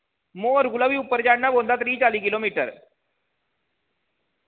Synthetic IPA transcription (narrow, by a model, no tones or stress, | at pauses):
moɾɡuləʋiːupəɾd͡ʑaɽnabond̪at̪ɾiːt͡saliːkilomiʈəɾ